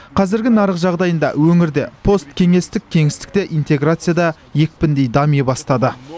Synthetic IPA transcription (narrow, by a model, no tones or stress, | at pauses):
qʰɑzɪɾɡʲɪnɑɾəqʒɑʁd̪ɑjənd̪ɑ̰wɵŋɪɾd̪e̞pʰo̞st̪kʲʰe̞ŋe̞st̪ɪk̚ʲʰːe̞ŋɪst̪ɪ̥k̚t̪e̞ʔijnt̪e̞ɡɾat̪sɨjad̪ɑ | je̞k̚pɪnd̪e̞jd̪ɑmijbɑst̪ɑd̪ə